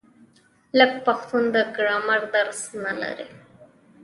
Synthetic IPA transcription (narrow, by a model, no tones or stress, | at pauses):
lək̚paxt̪und̪əɡɾamaɾd̪aɾsnala̰ɾḭ